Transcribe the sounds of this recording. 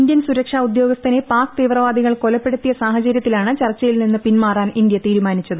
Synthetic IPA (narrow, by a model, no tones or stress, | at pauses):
nd̪jɐnsuɾɐkʂaud̪joːɡɐst̪ɐnepaːkɨt̪iːʋrɐʋaːd̪iɣɐɭko̞lɐpːe̞ɽut̪ːijɐsaːɦɐt͡ɕɐɾjɐt̪ːilaːɳɨt͡ɕɐrt͡ɕːɐjilninːɨpinmaːraːnind̪jɐt̪iːɾumaːnit͡ɕːɐðɨ